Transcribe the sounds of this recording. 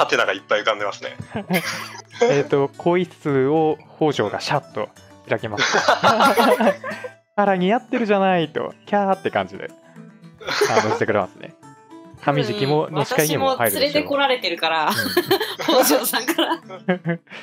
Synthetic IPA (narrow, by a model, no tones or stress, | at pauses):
hat̪e̞naɡaipːaiɯ̟kãnd̪emasɨne̞̰ | et̪ːo̞kʰo̞it͡sɨoho̞ːʑo̞ːɡa̰ɕat̪ːo̞̰ | çiɾake̞masɨ̥t | haɾaɲ̟ijat̪ːe̞ɾɯ̟ʑanait̪o̞̰kʲaːt̪ːe̞kã̰ɲ̟d͡ʑid̪e̞̰ | anoi̥t̪ekɯɾḛmasɨnḛkʰamʲiʑikʲimonoɕkaiɲimohaiɾɯɨɾet̪eko̞ɾaɾe̞t̪e̞ɾɯ̟kaɾa | hoːʑoːsãŋkaɾa